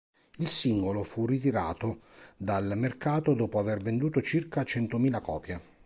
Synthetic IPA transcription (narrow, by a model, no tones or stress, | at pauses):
ilsiŋɡolofurːit̪̬iɾaːt̪o | d̪almerkaːt̪od̪ɔːpoavervend̪uːt̪ot͡ʃirkat͡ʃɛnt̪omiːlakɔːpja